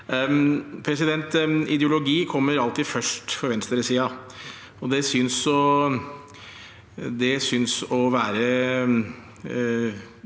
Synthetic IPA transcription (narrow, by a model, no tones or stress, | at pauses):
pʰɾɛsɪd̪ɛnt̪ɪd̪ɛʊlʊɡiːkʰɔmːəɾɑlt̪iːfœʂʈfɔɾʋɛnst̪əɾəsiːɑ | ɔd̪ɛsʏnsɔ | d̪ɛsʏnsɔʋæːɾə